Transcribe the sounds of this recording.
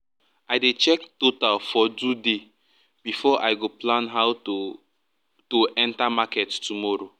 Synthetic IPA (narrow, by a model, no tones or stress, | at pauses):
aɪdet͡ʃɛktotalfɔd͡ʒude | b̥ifɔʔaɪɡoplãnɦaʊ | toʔɛ̃ntamakɛttumɔɾo